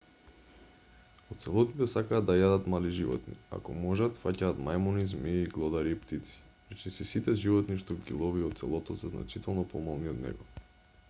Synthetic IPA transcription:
ot̪sɛlˠɔt̪it̪ɛsakaːd̪ːajad̪at̪maliʒivɔ̰t̪nḭa̰kɔmɔʒat̪facaːt̪majmɔnizmiːɡlˠɔd̪aɾiːpt̪it̪si̥ | ɾɛt͡ʃisisit̪ɛʒivɔt̪niʃt̪oɡḭlˠɔviɔt̪t̪sɛ̰lˠɔt̪ɔsazna̰t͡ʃit̪ɛlˠnɔpɔmalˠniɔd̪nɛ̰ɡɔ

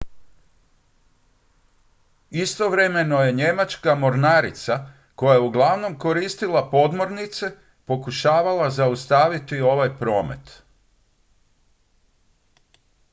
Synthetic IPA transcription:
ist̪o̞ʋɾeme̞no̞je̞ɲe̞mat͡ʃkamo̞ɾnaːɾḭt̪sa | ko̞jajeuɡlˠaʋno̞mko̞ɾist̪ilˠapo̞d̪mo̞ɾnit̪se̞ | po̞kuʃaːʋalˠazaust̪aːʋit̪io̞ʋajpɾo̞ːme̞̰t̪

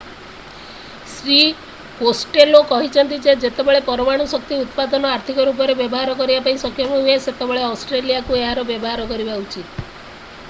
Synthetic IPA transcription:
sɾi | kosʈelokɔɦit͡ʃʰɔnt̪id͡ʒed͡ʒet̪ebeɭepɔɾɔmaɽ̃usɔk̚t̪iut̪pad̪ɔnɔaɾt̪ʰikɔɾup̬ɔɾebjɔbɔɦaɾɔkɔɾibapaĩsɔkʰːjɔmɔɦueset̪ebeɭeɔsʈɾelijakueɦaɾɔbjɔbɔɦaɾɔkɔɾibaut͡ʃit̪

